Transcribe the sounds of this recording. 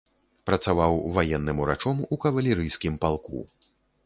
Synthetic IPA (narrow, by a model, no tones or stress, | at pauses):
pɾɐt̪savawvajɛnːɨmuɾat͡ʂɔmukɐvɐlʲiɾɨjskʲimpalˠkṵ